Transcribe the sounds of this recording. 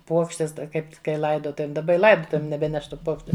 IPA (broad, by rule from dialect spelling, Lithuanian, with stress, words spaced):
ˈpuɔkʃʲtʲɛs ˈtɐ ˈkɐɪp kɐɪ ˈlˠɐɪdoːtʊʋʲeːm dɐˈbɐ ɪ ˈlˠɐɪdoːtʊʋʲeːm nʲɛˈbʲæːnʲɛʃ ˈtuː ˈpoːkʃʲt͡ʃʲʊ